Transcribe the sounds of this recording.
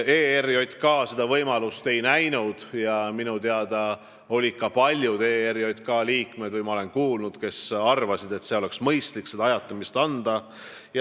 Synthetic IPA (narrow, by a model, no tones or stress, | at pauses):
e̞ːerio̞d̪ʲkɑːse̞d̪̥ɑvɤjmɑlust̪e̞jnæjnud̪̥jɑminut̪eɑd̪̥ɑ | o̞lʲikːɑpɑlʲjud̪e̞ːeɾjo̞t̪ʲkɑːliːkme̞d̪vɯjmɑo̞le̞nkuːlnud̪̥ke̞sɑrvɑsid̪̥e̞t̪se̞o̞le̞ksmɤjst̪likse̞d̪ɑɑjɑt̪ːˑɑmist̪ɑnd̪̥ɑ | j